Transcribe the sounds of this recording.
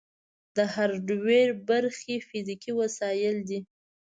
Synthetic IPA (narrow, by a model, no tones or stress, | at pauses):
d̪əhaɾɖweɾbaɾxefizikiwasɑjɪld̪i